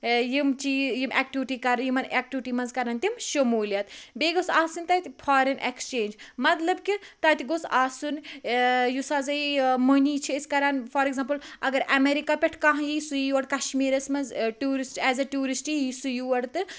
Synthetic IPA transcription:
jimt͡ʃiːjimʔɛk̚ʈiʋiʈikɐɾɐjimɐnek̚ʈiʋiʈiːmɐnzkɐɾɐnt̪imʃɐmuːljɐt̪beːɡosaːsunt̪ɐt̪ʲifʰaːɾɐnʔḛkst͡ʃeːnd͡ʒmɐt̪lɐbkit̪ɐːt̪iɡosaːsun | jusaːzɐimoniːt͡ʃʰiiskɐɾanfɐːɾeɡzampɨlɐ̰ɡɐɾʔɐmeɾikapʲɛʈʰkãɦɐ̃jisujuʋɐɽkɐʃmiːɾɐsmɐnzʈuːɾisʈɛːzɐʈuːɾisʈijisujuʋɐɽt̪ɨ

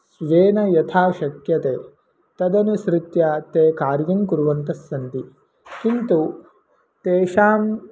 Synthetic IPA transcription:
sʋeːnɐjɐt̪ʰaːʃɐkjɐt̪eː | t̪ɐd̪ɐnusɾit̪jaːt̪eːkaːɾjɐŋkuɾuʋɐnt̪ɐsːɐnt̪i | kint̪u | t̪eːʃaːm

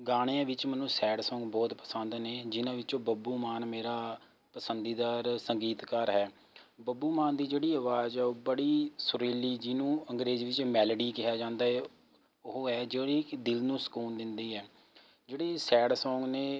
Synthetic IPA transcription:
ɡaːɽ̃ejãːʋɪt͡ʃmɛnːũːsɛːɽsɔ̃ːŋɡbɔːt̪pə̥sə̃nd̪neːd͡ʒɪnãːʋɪt͡ʃõːbəbuːmaːnmeːɾaː | pəsənd̪iːd̪aːɾsəŋɡiːt̪kaːɾɦɛː | bəbuːmaːnd̪iːd͡ʒeːɽiːəʋaːd͡ʒɛːoːbəɽiːsʊɾeːliːd͡ʒɪnũːə̃ŋɡɾeːzʋɪt͡ʃmɛːləɖiːkɪɦaːd͡ʒãːnd̪aːɛː | ʊɦoːɦɛːd͡ʒeːɽiːd̪ɪlnũːsə̥kuːnd̪ɪnd̪iːɦɛː | d͡ʒeːɽeːsɛːɽsɔ̃ːŋɡneː

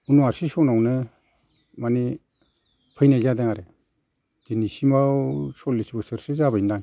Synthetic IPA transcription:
unuaɾsisɔnawnɯ | mani | pʰɯjnajzadeŋaɾe | d̥inisimawsɔlisibɯsɯɾsizabajndaŋ

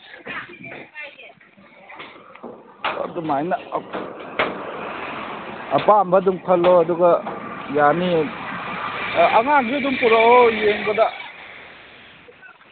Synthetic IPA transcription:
ɐ̰dumajnɐ | ɐpambɐduŋkʰɐloɐduɡɐjani | ɐŋaɡiduŋpuɾoojeŋbɐda

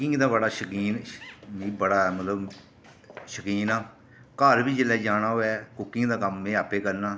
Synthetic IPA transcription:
kɪŋɡd̪aːbəɽaːʃəkiːnibəɽaːmət̪ləb | ʃəkiːnaː | kəɾbiːd͡ʒəlɛːd͡ʒaːɽ̃aːɦoːɛːkʊkːɪŋɡd̪aːkəmːẽːaːpeːkəɾnaː

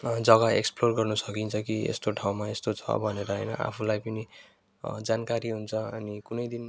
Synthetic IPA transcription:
d͡zʌɡaḛksplorɡʌrnusʌkint͡sʰʌkiḛst̪oʈʰaw̃maest̪ot͡sʰʌ̰bʱʌneɾʌɦʌjnʌ̰ʔa̰pʰulajpʌni | d͡zankaɾiɦunt͡sʰʌʌnikunʌjd̪in

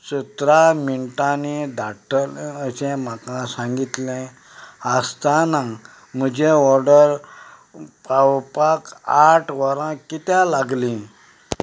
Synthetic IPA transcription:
sut̪ɾamiɳʈanid̪ʱaʈʰələsẽm̤akãsãŋɡit̪lẽ | ast̪ana | m̤əd͡ʑeɔɾɖəɾ | pawpakaʈʰʋəɾãkit̪jalaɡlĩ

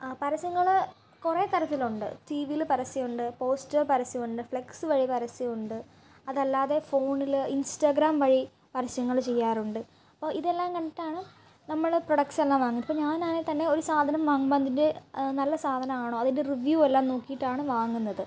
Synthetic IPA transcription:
pɐɾɐsjɐŋːɐɭ | kureːt̪ɐɾɐt̪ːiluɳɖɨ̰ʈiːʋijlpɐɾɐsijuɳɖɨpo̞ːstɐrpɐɾɐsimuɳɖɨfɭeksɨʋɐɻipɐɾɐsɐjuɳɖɨ | ɐðɐlːaːðe̞fo̞ːnilinstaːɡɾaːmʋɐɻi | pɐɾɐsjɐŋːɐɭt͡ɕe̞jːaːruɳɖɨ | ɐpːoːiðe̞lːaːmkɐɳɖitːaːɳɨ | nɐmːɐɭproɽɐkselːaːmʋaːŋunipːoːɲaːnaːnet̪ɐnːe̞o̞ɾusaːd̪ʱɐnɐmʋaːŋbaːnd̪inde̞nɐlːɐsaːd̪ʱɐnɐmaːɳoːɐðinde̞riʋjuːelːaːmnoːkːijiʈːaːɳɨʋaːŋːunːɐðɨ

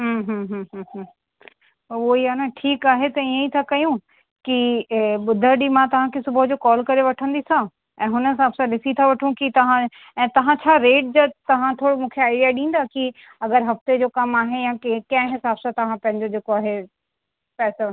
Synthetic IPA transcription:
ɦəɦəɦəɦəɦ | oiɦaːnaʈʰiːkaːɦet̪ɐiːə̃it̪ʰakɐjũ | kiɓʊd̪ʱəɾɗimãt̪ɐʋ̤ãkʰesʊbəd͡ʑoːkɔːlkɐɾeʋɐʈʰə̃nd̪isã | ɛ̃ːɦʊnəsãɐbsãlɪsit̪ʰaʋɐʈʰũkit̪ɐʋ̤ã | ɛ̃ːt̪ɐʋ̤ãt͡ɕʰaːɾeːʈ̚d͡ʑat̪ɐʋ̤ãt̪ʰoːɽomũːkʰeaːɪɖijaɗĩːn̆d̪aki | ɐɡəɾɦɐft̪ed͡ʑoːkɐmaːɦejãkkɐ̃ɦɦɪsaːbsãt̪ɐʋ̤ãpɐ̃ɦɪ̃ɲd͡ʑod͡ʑeːkoaːɦe | pɛːso

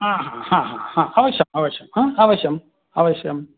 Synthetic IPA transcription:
ãːɦãhãːɦã̰hãːaːʋɐɕjɐmaːʋɐɕjɐmaaːʋɐɕjɐm | aːʋɐɕjɐm

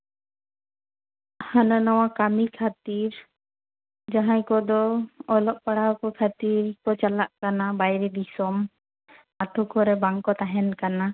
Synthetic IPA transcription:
hananaw̃akamikʰat̪iɾ | d͡ʒaɦãjkɔd̪ɔːlɔʔ̚paɽ̤awkɔkʰat̪iɾkɔt͡ʃalaʔkanabajɾɛd̪isɔm | at̪ʰɔkɔɾɛbaŋkɔt̪aɦɛnkana

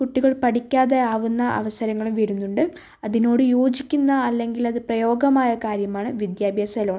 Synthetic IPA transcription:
kuʈːiɣɐɭpɐʈikʲːaːðe̞aːʋunːɐʔɐ̰ʋɐsɐɾɐŋːɐɭumʋiɾunːuɳɖɨ | ɐðino̞ːɽɨjo̞ːd͡ʑikʲːunːɐːlːe̞ŋɡilɐðɨprɐjo̞ːɡɐmaːjɐkaːɾjɐmaːɳɨʋid̪jaːbʱjaːsɐloːɳ

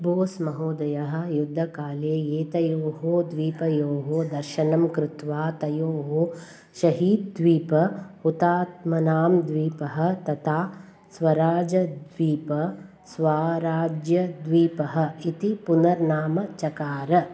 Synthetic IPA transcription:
boːsmɐɦoːd̪ɐjɐɦɐ̆jud̪ʱːɐkaːleːjeːt̪ɐjoːɦod̪ʋiːpɐjoːɦod̪ɐɾʃɐnɐmkɾut̪ʋaːt̪ɐjoːɦo | ʃɐɦiːd̪̚d̪ʋiːpɐhut̪aːt̪̚mɐnaːmd̪ʋiːpɐɦɐ̆t̪ɐt̪ʰaː | sʋɐɾaːd͡ʒɐd̪ʋiːpɐ | sʋaːɾaːd͡ʒjɐd̪ʋiːpɐɦɐ̆it̪ipunɐɾnaːmɐt͡ʃɐkaːɾɐ

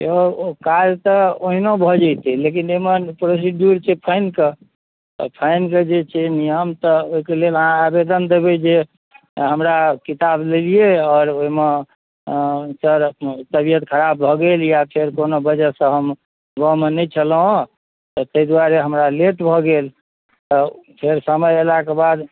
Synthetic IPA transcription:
eokaɾt̪ɔoɦinobʱɔd͡ʒajt̪ilek̬inemenpɾos̬eɖjuɾt͡ʃʰɛpʰəɪnkḛ | pʰəɪnked͡ʒet͡ʃʰɛnijəmt̪ɔoikeleləɦãabed̪ənd̪ebed͡ʒe | ɦəmɾakit̪ablelijeɔːɾoɦime | səɾt̪əbijət̪kʰəɾabbʱɔɡeljapʰeɾkonobəd͡ʒɛsə̃ɦəm | ɡɔ̃menɛjt͡ʃʰəlɦõ | t̪ɔt̪əid̪waɾeɦəmɾalet̪bʱɔɡel | t̪ɔpʰeɾsəməjelakebad̪

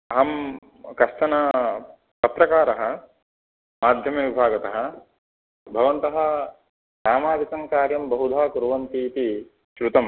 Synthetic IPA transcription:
ɐɦɐm | kɐst̪ɐnɐ | pɐt̪ɾɐkaːɾɐɦɐ̆ | maːd̪ʱjɐmɐʋibʱaːɡɐt̪ɐɦɐ̆ | bʱɐʋɐnt̪ɐɦɐ̆ | saːmaːd̪ikɐŋkaːɾjɐmbɐɦud̪ʱaːkuɾʋɐnt̪iːt̪i | ʃɾut̪ɐm

